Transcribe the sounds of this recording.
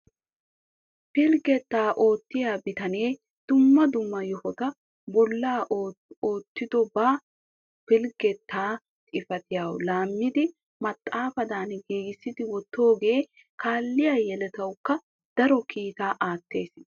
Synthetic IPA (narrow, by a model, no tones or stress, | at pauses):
pɪlɡɛt̪ːaːʔo̞ːt̪ːɪjaːbɪt̪ɐneː | d̪̥ʊmːɐd̪ʊmːɐjɔhɔɡ̪ɐ | bɔlːaːoːt̪ːɪd̪ɔbaː | pɪlɡɛt̪ʰːaː | t̪ʼɪfɐt̪ɪjaːwlaːmːɪd̪ɪ | mɐt̪ʼːaːfɐd̪aːnɡeːɡɪsːɪd̪ɪwɔt̪ːo̞ːɡe̞ː | kaːlːɪjaːjɛlɛt̪ɐwkːɐ | d̪̥ɐɾɔkiːt̪aːʔaːt̪ːe̞ːs